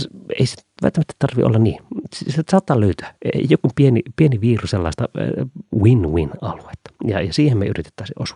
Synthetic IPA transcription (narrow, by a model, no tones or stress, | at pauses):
ḛisi̥t̪ʋæ̰lt̪ːæmæt̪ːe̥t̪ɑrʋḭʔo̰lːɑnniːsssɑːt̪ːɑːløyt̪ø̥æḛijokumpienipieniʋiːruselːɑˑest̪ɑ | winwinɑluet̪ːɑ̥jɑ̰jɑsiːhemḛyrit̪e̥t̪ːæˑisiʔʔosʋɑ